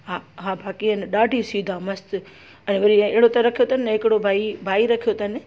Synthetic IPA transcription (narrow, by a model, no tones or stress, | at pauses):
ɦaɦãːbʱaːkiɐnɪɗaːɖʱisiːd̪ʱamɐst̪ | ɛ̃ʋɐɾiɪɦɪɽot̪ɐɾɐkʰijot̪ʰɐnɪ̃ɦɪkɪɽobʱaːibʱaːiɾɐkʰijot̪ʰɐnɪ̆